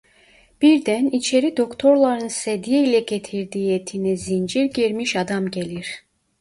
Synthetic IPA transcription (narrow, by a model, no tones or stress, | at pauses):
b̥iɾd̪ænit͡ʃʰe̞ɾid̪o̞kt̪ʰo̞ɾlˠɑɾɯnsed̪ijilʲɛɟet̪ʰiɾd̪ijet̪ʰinizind͡ʒiɾɟiɾmiʃɑd̪ɑmɟelʲiɾ̥